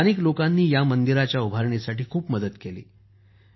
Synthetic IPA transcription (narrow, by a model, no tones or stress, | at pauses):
niklokanːiːjamənd̪iɾat͡ɕjaubʱaɾɳesaʈiːkʰuːpməd̪ət̪kelḭː